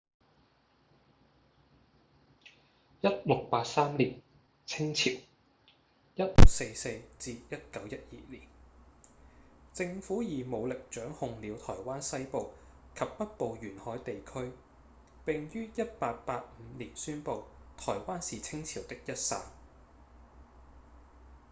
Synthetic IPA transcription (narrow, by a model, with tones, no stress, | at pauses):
jɐ˥t̚lʊ˨k̚paː˧t̚saː˥mliː˨˩n | t͡sʰɪ˥ŋt͡sʰiː˨˩w | jɐ˥t̚lʊ˨k̚se˧jse˧jt͡siː˧jɐ˥t̚kɐ˨˥wjɐ˥t̚jḭː˨liː˨˩n | t͡sɪ˧ŋfuː˨˥jiː˨˩mo˨˧wlɪ˨k̚t͡ʃœː˨˥ŋhʊ˨˧ŋliː˨˧wt̪ʰɔː˨˩jwaː˥nsɐ˥jpo˨˧w | kʰɐ˨p̚pɐ˥t̚po˨wjyː˨˩nhɔː˨˥jt̪e˨jkʰɵ˥ɥ | pɪ˨˩ŋjyː˥jɐ˥t̚paː˧t̚paː˧t̚m̩˨˧˦liː˨˩nsyː˥npo˨˧wt̪ʰɔː˨˩jwaː˥nsiː˨t͡sʰɪ˥ŋt͡sʰi˨˩wt̪ɪ˥k̚jɐ˥t̚sa̰ː˧n